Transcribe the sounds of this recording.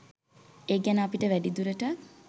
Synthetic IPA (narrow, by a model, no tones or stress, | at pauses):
eːɡænəapiʈəʋæɖid̪uɾəʈə